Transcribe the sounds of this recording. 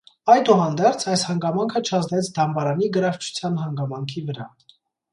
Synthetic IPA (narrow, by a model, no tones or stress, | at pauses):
ɑjd̪uɦɑnd̪ɛɾt͡sʰɑjshɑŋɡɑmɑŋkʰət͡ʃʰɑznɛt͡sʰd̪ɑmbɑɾɑniɡəɾɑɾt͡ʃʰu̥t͡sʰjɑnɦɑŋɡɑmɑŋkʰivəɾɑ̰